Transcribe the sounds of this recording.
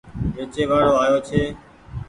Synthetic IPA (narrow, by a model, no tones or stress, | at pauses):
ʋeːt͡ʃeːʋaːɽoːaːjoːt͡ʃʰeː